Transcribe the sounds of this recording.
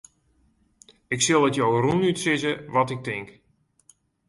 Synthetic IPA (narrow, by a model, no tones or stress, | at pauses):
ɪksɪlˠətjowrunytsɪzəʋɔtɪk̚tɪŋk